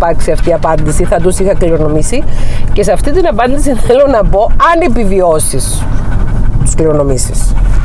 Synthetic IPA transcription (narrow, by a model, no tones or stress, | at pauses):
pɐɾksiɐft̪iɐpɐnd̪isiθɐt̪usixɐkliɾo̞no̞misice̞seɐft̪it̪inɐpɐnd̪isiθelo̞nɐbo̞ɐnepivio̞sis | t̪i̥skliɾo̞no̞misis